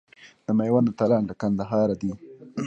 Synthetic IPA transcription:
d̪̥əmajwand̪ət̪alɑnd̪əkand̪aɦɑːɾad̪i

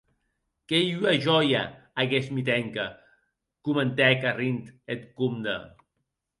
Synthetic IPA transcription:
kejyaʒɔja̰aɣesmit̪ɛŋka | kumənt̪ɛkarint̪et̪kumd̪ə̰

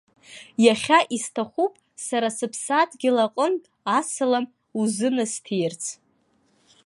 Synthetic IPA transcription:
jaχʲaʔistʰaχʷupʼ | saɾasɨpʰsadʰʼɡʲɪlaqʼəntʼ | asɨlam | uzɨnɨstʰejrt͡sʰ

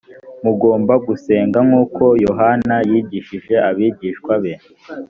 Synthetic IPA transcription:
muɡo̞ːmbaɡuse̞ːŋɡaŋuːkʰo̞jo̞ɦanajiːɟiʃiʒe̞ʔaβiːɟiʃkwaβen

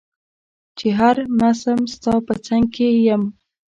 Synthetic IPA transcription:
t͡ʃeɦaɾmasəmst̪ɑpət͡saŋɡ̚kʰejəm

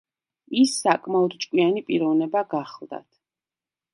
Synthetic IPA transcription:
isːakʼmaɔd̪t͡ʃʼkʼwianipʼiɾɔvnɛbaɡaχlˠd̪a̰t̪ʰ

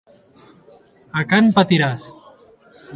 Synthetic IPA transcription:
akanpat̪iɾas

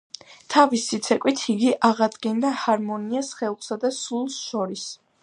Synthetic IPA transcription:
t̪ʰavisːit̪sʰɛkʼwit̪ʰiɡiʔaʁad̪ɡɛnd̪ahaɾmɔniasχɛlˠχsad̪asulˠsʃɔɾis

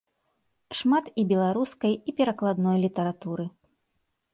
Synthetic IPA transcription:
ʂmat̪ibʲɛlˠaɾuskɐjipʲɛɾɐklˠad̪nɔjlʲit̪ɐɾat̪uɾɨ

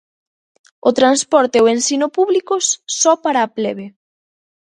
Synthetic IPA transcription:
ʊt̪ɾanspɔɾt̪eoensinʊpuβlikʊssɔpaɾaːpleβe

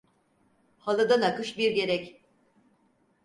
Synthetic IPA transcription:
halˠad̪anakɯʃbiɾɟe̞ɾɛc

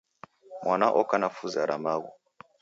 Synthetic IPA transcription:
mwanaʔɔkanafuzaɾʔamaɣu

